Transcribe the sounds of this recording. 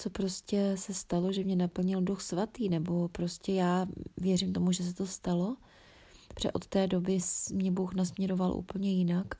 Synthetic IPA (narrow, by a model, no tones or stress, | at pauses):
t͡so̞pɾo̞scɛsɛst̪alo̞ʒɛmɲɛnapl̩ɲɪlduxsvat̪iːnɛbo̞pɾo̞scɛjaːvjɛɾɪmt̪o̞muʒɛs̬ɛt̪o̞st̪alo̞ | r̥ɛ̰ʔo̞̰t̪ːɛːdo̞bɪmɲɛbuxnasmɲɛɾo̞valʔṵːpl̩ɲɛjɪnak